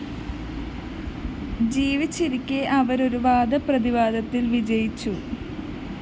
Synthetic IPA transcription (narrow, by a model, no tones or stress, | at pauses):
d͡ʑiːʋit͡ɕːiɾikʲːɨʔɐʋɐɾo̞ɾuʋaːd̪ɐprɐðiʋaːd̪ɐt̪ːilʋid͡ʑɐjit͡ɕːu